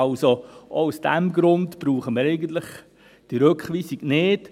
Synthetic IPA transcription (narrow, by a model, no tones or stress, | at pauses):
lsooʊsd̥ɛmɡɾʊndb̥ɾuːχəməɾɛɪɡən̩t̪ləχ | d̥iɾøkχʋiːsiɡ̥nɪd̥